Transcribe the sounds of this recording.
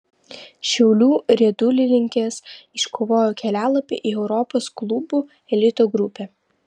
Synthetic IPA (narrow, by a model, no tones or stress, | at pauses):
ʃʲɛʊlʲuːɾʲiɛd̪ʊlʲɪnʲɪŋʲkʲeːsɪʃkʰoːʋoːjoːkʲɛlʲæːlˠɐpʲḛʔiːɛʊɾɔpoːsklˠʊbuː | ɛlʲɪt̪oːɡɾʊpʲɛː